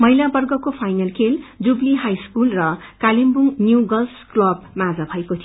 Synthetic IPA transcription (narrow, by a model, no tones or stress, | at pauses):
mʌɦilabʌrɡʌkopʰajnʌlkʰeld͡zubliɦajskulrʌkalimbuŋnjuɡʌlsklʌbmad͡zabʱʌekot̪ʰij